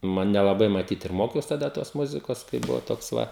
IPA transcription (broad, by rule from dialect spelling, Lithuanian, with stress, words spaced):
ˈnʊ nʲɛlˠɐˈbɐɪ mɐˈtʲiːt ɪr ˈmoːkʲɛʊs tɐˈdɐ toːs ˈmʊzʲɪkoːs kɐɪ ˈbʊʋoː ˈtoːks ˈʋɐ